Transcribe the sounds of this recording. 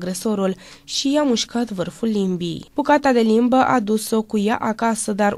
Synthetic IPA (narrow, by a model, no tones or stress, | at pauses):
ɡɾeso̞ɾul | ʃijamuʃkat̪vɨrfulːimbḭjb̥ukat̪ad̪e̞limbəʔad̪uso̞kuja̰ʔakasəd̪ar